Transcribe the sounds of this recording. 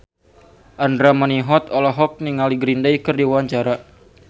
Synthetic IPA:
ʔandɾaməniɦɔt̪ɔlɔɦɔk̚niŋaliɡɾindajkərdiwaɲt͡ʃaɾa

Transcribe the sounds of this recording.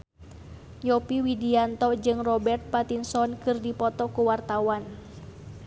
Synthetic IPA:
jɔpiwidiant̪ɔd͡ʒɨŋrɔbɛrt̪̚pat̪insɔnkɨrdipɔt̪ɔkuwart̪awan

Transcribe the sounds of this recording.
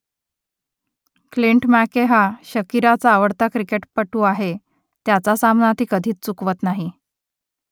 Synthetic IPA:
kliɳʈmækeɦaɕəkiɾat͡saːʋəɽt̪akɾikeʈpəʈuːaɦe | t̪jat͡sasamnat̪iːkəd̪ʱiːt͡st͡sukʋət̪naɦi

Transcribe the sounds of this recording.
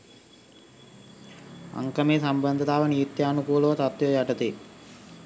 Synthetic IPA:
ɐ̰ŋkɐmeːsɐmbɐnd̪ʱɐt̪aːʋɐnijit̪jɐːnukuːlɐʋɐt̪ɐt̪ʋjɐjɐʈɐt̪e

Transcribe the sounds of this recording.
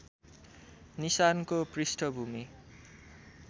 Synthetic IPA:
nisankoprisʈʰʌbʱumi

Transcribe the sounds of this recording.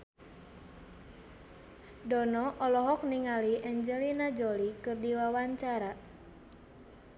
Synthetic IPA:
dɔnɔʔɔlɔɦɔk̚niŋaliʔɛɲd͡ʒɛlinad͡ʒɔlikɨrdiwawaɲt͡ʃaɾa

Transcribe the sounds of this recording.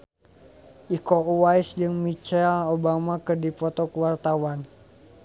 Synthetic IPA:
ʔikɔuwaisd͡ʒɨŋmit͡ʃɛlobamakɨrdipɔt̪ɔkəwart̪awan

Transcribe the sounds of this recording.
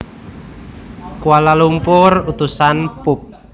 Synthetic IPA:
kuwalalumpʊrut̪usanpʊp̚

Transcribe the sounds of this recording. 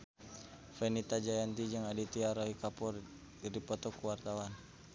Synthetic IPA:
fɛnit̪ad͡ʒajant̪id͡ʒaŋadit̪iaɾɔikapɔr | ɾipɔt̪ɔkuwart̪awan

